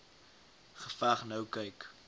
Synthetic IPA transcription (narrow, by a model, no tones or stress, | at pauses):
χəfaχnəwkəjk